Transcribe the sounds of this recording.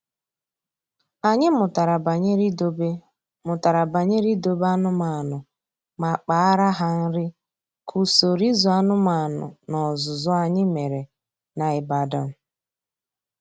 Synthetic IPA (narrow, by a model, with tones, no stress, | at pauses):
a˨ɲɪ˦mʊ˨ta˨ɾa˨ba˨ɲ˦ɾi˦do˦b | mʊ˨ta˨ɾa˨ba˨ɲɪ˦ɾi˦do˨ba˦nʊ˦ma˨nʊ˨ | ma˨k͡pa˨˦ɾa˦ɦa˦n̩˦ɾɪ˦ | kʰu˨so˨ɾi˦zu˨a˦nʊ˦ma˨nʊ̰˨nɔ˨zʊ˨zɔ˦a˨ɲɪ˦me˨ɾe˨ | na˨ɪ˨ba˨da˨m̩˦